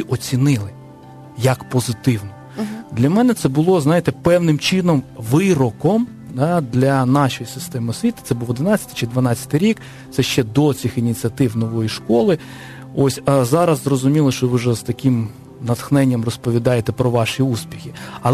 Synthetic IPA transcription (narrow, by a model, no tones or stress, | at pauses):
ʔɔt͡sʲinɪlˠɪ | jɐkpɔzɪt̪ɪwnɔ | d̪lʲɐmɛnɛt̪sɛbʊlˠɔznɑjɪt̪ɛpɛwnɪmt͡ʃɪnɔmʋɪɾɔkɔm | d̪ɑd̪lʲɐnɑʃɔjisɪst̪ɛmɪɔsʲʋʲit̪ɐ̥t̪sɛbʊlˠɔd̪ɪnɑt͡sʲːɐ̥t̪ɪ̥t͡ʃɪd̪ʋɐnɑt͡sʲːɐ̥t̪ɪɾʲik | t̪sɛʃt͡ʃɛd̪ɔt͡sʲixinʲit͡sʲiɐt̪ɪwnɔʋɔjiʃkɔlˠɪ | ɔsʲɐzɑɾɐzzrɔzʊmʲilˠɪʃt͡ʃɔʋɪʒɛz̥t̪ɐkɪm | nɐt̪xnɛnʲːɐmrɔspɔʋʲid̪ɑjet̪ɛpɾɔʋɑʃiuspʲixʲiɐlˠ